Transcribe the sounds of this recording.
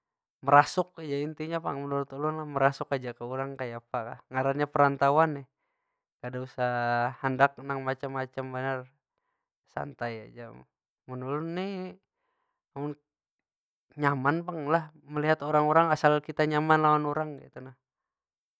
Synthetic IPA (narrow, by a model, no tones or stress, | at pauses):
məɾasʊkad͡ʒaint̪iɲapa̰ŋmənuɾʊt̪ulʊnlahməɾasʊkad͡ʒakəuɾaŋkajapaka̰hŋaɾaɲapəɾant̪awanɛ | kadausahandak̚naŋmat͡ʃamːat͡ʃambənar | sa̰nt̪aja̰d͡ʒa | mənulʊnːi | amʊn | ɲamanpaŋlah | məliɦat̪oɾaŋoɾaŋasalkit̪aɲamanlawanoɾaŋɡit̪unah